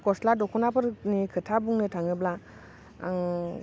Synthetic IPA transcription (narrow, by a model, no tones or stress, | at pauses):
kɔsladɔkʰɔnapʰɯɾnikʰɯtʰabuŋnɯtʰaŋɯbla̰ | ŋ